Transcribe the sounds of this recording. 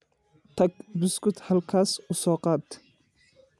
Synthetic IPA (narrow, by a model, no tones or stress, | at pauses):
t̪ʰɐɡ̚bʊskʊt̪hɐlkʰaːsʊsɔːqɑːd̪